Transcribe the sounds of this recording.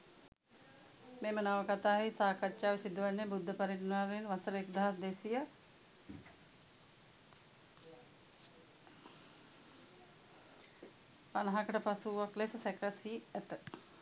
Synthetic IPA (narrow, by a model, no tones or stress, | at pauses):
meːmənaʋəkat̪aːʋisaːkatːaːʋisid̪uʋanːebud̪ʱːəpaɾiʈənaːɾeinʋasəɾəekd̪aɦasd̪esijə | panɐɦakəʈəpasuːʋaklesəsɛkəsiːæt̪ə